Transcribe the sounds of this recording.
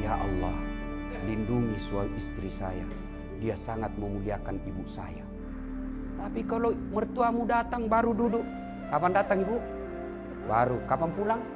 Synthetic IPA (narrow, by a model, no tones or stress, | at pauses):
jaʔɑ̰lːɑh | linduŋɲisuauist̪ɾisaja̰ | diasaŋat̪̚məmuliakanibuʔsa̰ja̰ | t̪apikalomərt̪uamudat̪aŋbaɾududuʔ | kapandat̪aŋibuʔ | baɾukapanpulaŋ